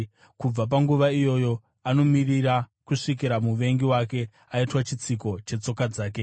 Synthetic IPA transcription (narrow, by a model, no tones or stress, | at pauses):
kub͡vap̬aŋɡuʋaijo̞jo̞ | ano̞miriɾakuʂik̬iɾamuʋe̞ŋɡiwake̞ | aitwat͡ʃit͡siko̞t͡ʃe̞t͡so̞kad͡zaːke̞